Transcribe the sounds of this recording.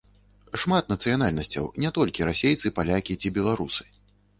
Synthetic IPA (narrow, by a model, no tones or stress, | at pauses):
ʂmat̪̚nɐt̪sɨjanalʲnɐsʲt͡sʲɐ̰wnʲɛt̪ɔlʲkʲiɾasʲejt̪sɨpalʲakʲit͡sʲibʲɛlˠaɾusɨ̥